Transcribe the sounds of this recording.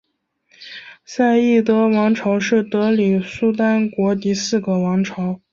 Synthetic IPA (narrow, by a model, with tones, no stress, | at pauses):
sa˥˧ɪi˥˩t̪ɤ˧˥wɑ˧˥ŋʈ͡ʂʰɑ˧˥ʊʂɻ̩˥˩t̪ɤ˧˥li˨˩su˥t̪a˥nkwɔ˧˥t̪i˧˥sɹ̩˥˩ɡə˩wɑ˧˥ŋʈ͡ʂʰɑ˧˥ʊ